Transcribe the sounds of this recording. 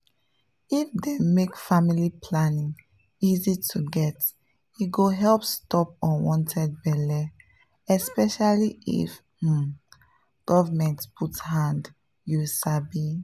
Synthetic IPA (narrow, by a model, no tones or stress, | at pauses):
ifdemekfamilipʰlanĩŋ | izitʰuɡɛt | iɡoɦɛlpstɔp̚ɔ̃nwɔ̃ntʰɛd̚bɛlɛ | ɛspɛʃaliḭf̩ | ɡ̥ɔvamɛ̃ntpʰuthãnd | jusabi